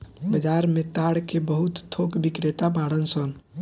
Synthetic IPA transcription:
bəd͡ʒaɾmẽt̪aɽkebəɦut̪t̪ʰːokbikɾet̪abaːɽənsɔn

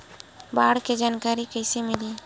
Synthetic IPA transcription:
baɽked͡ʒankaɾikəjsemili

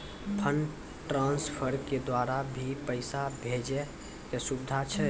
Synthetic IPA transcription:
pʰən | ʈɾãnspʰəɾked̪waːɾabʱipəɪsabʱed͡ʒe | kesubɪd̪ʱat͡ʃʰɛ

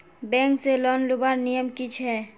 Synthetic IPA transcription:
bɛ̃ːŋkselɔːnlʊbaːɾnijəmkit͡ʃʰɦɛː

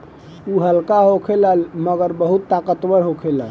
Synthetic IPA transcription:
uɦəlkaɦokʰeləlməɡəɾbəɦut̪ːakət̪ʋəɾɦokʰeləl

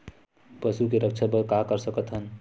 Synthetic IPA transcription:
pəsukeɾək̚t͡ʃʰapəɾkaɦkəɾsəkət̪ɦən

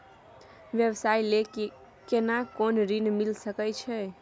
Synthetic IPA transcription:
ʋjəʋsajlek | kenakonɾinmilsəkɛt͡ʃʰɛ

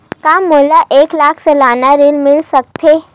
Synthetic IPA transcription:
kamːolaʔeklakʰsəlanaɾiːlmilsək̚t̪ʰe

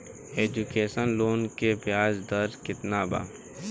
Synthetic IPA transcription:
eːd͡ʒukeːsənloːnkebjaːzd̪əɾkɪt̪naːba̰ː

